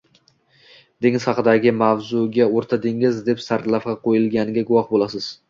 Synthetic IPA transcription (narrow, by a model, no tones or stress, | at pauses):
d̪̥eŋɪzhɑqɨd̪aɡʲɪmavzʊɡʲaoɾt̪ʰad̪ɪŋɪzd̪e̞psaɾt̪lafqɑqʰojɪlˠɡʲanɪɡʲaɡʊwɒhbolˠasɪz̥